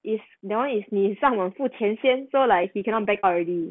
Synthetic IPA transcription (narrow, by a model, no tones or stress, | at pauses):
ʔisdɛwãnisnisãŋwanfutʰjɛ̃nsjɛ̃nsolaɪkhikʰɛ̃nɔt̚bɛkɔlɹɛdi